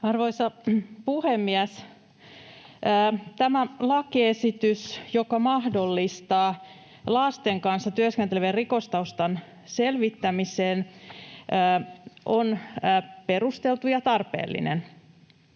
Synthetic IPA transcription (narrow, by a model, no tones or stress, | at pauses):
ɑrʋoisɑpuhemːiæs | t̪æmælɑkiesit̪ysjokɑmɑhdo̞lːist̪ɑː | lɑst̪eŋkɑnsːɑt̪yæskent̪eleʋerriko̞st̪ɑust̪ɑn | se̞lʋit̪ːæmiseːnː | ʔonː | pe̞rust̪elt̪ujɑt̪ɑrpḛːlːḭnḛn